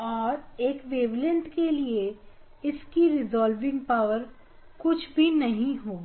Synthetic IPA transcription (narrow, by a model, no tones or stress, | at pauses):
ɔːɾeːkʋeːʋlɪ̃nt̪kelie | ɪskiɾɪzɔːlʋɪ̃ŋɡ̚paːʋəɾ | kʊt͡ʃʰbʱinɐɦĩɦoː